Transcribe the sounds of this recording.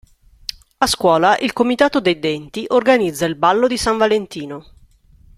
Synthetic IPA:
askwɔːlaʔilkomit̪aːt̪od̪ejd̪ɛnt̪iʔorɡanid̪zːailbalːod̪isaɱvalent̪iːno

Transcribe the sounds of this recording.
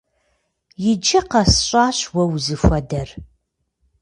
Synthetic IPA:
jɪd͡ʒɪqɐsɕʼɑːɕwɐwzɨfʷɐdɐr

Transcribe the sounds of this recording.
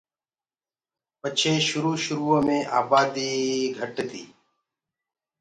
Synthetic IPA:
pət͡ʃʰeːʃʊɾuːʃʊɾuːə̃ːmẽːʔa̰ːbaːd̪iːɡʱəʈet̪ḭː

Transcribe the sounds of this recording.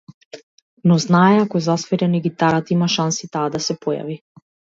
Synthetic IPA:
nɔznaɛakɔɛzasvɛɾɛniɡit̪aɾat̪imaʃansit̪aːd̪asɛpɔja̰vi

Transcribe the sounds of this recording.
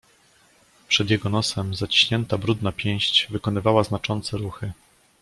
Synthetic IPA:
pʂɛd̪ʲjɛɡɔnɔsɛmzat͡ɕi̥ɕɲɛnt̪abɾud̪napʲjɛ̃j̃ɕt͡ɕvɘkɔnɘvawaznat͡ʂɔnt̪sɛɾuxɘ

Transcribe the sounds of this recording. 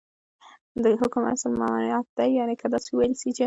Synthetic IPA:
d̪əhʊkuma̰salmɑnɑnjɑt̪̚d̪ajɑnekʰad̪ɑsewajəlsit͡ʃe

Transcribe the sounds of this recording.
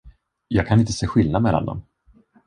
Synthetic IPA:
jɑːɡkʰanɪnt̪ə̥seːɧɪlnad̪mɛlːa̰nd̪ɔ̰m

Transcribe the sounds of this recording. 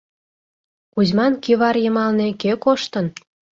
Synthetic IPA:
kuzʲmɑnkiβɑrjə̆mɑlnekekoʃt̪ə̆n

